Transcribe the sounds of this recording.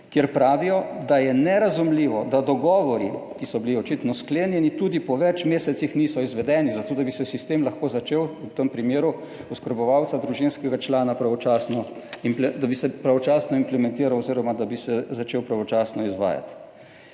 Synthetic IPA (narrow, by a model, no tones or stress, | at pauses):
kjeɾpɾaːʋijɔd̪ajɛnɛɾazumliːʋɔd̪ad̪ɔɡɔːʋɔɾikisɔbiliɔt͡ʃit̪nɔskleːnjɛnit̪uːd̪ipɔʋɛt͡ʃmeːsɛt̪sixnisɔizʋɛd̪ɛːnizat̪oːd̪abisɛsist̪emlaxkoːzat͡ʃeːwwt̪əmpɾimeːɾu | uskəɾbɔʋawt̪sad̪ɾuʒinskɛɡat͡ʃlaːnapɾaʋɔt͡ʃaːsnɔ | implɛd̪abisɛpɾaʋɔt͡ʃaːsnɔimplɛmɛ̃nt̪iːɾawɔziːɾɔmad̪abisɛzat͡ʃeːwpɾaʋɔt͡ʃaːsnɔizʋa̰ːja̰t̪